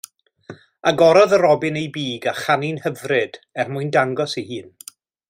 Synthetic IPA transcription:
aɡɔɾɔðəɾɔbɪnejbiːɡaχaninhəvrɨd̥ɛrmʊɨndaŋɡɔsihɨːn

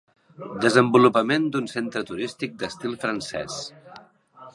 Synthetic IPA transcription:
d̪əzəmbulupəmend̪unsent̪ɾət̪uɾist̪ik̚d̪əst̪ilˠfɾənsɛ̰s

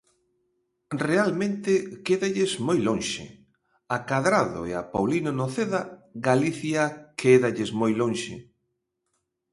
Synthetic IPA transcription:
realmẽnt̪ɪkeðaʎɪzmojlõŋʃɪ̰ | akaðɾaðo̰eapawlinonoθeðaɣaliθjakʰeðaʎɪzmojloŋʃɪ

